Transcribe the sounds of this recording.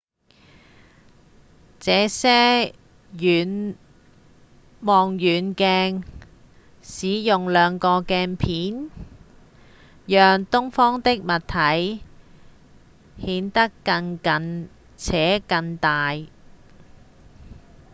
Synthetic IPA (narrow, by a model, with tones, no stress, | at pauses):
t͡sɛː˨˧sɛː˥ | jyː˨n | mɔː˨ŋjyː˨˥nkɛː˧ŋ | siː˨˥jʊ˨ŋlœː˨˧ŋkɔː˧kɛː˧npʰiː˨˥n | jœː˨ŋt̪ʊ˥ŋfɔː˥ŋt̪ɪ˥k̚mɐ˨t̪ʰɐ˨˥j | hiː˨˥nt̪ɐ˥kːɐ˧ŋkɐ˧n | t͡sʰɛː˨˥kɐ˧ŋt̪aː˨j